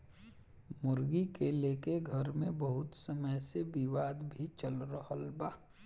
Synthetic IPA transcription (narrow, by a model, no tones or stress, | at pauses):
mʊɾɡikeleːkeɡʱɐɾmẽbəɦʊt̪səməjsebiʋaːd̪bʱit͡ʃəlɾəɦəlbaː